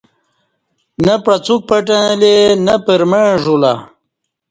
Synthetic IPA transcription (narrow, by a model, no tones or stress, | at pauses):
nɐpɾɐt͡suk̚pɐʈãlenɐpəɾmeɻʐula̰